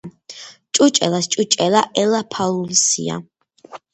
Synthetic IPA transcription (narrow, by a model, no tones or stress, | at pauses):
t͡ʃʼut͡ʃʼɛ̰last͡ʃʼut͡ʃʼɛlaʔɛlapʰalulisḭa̰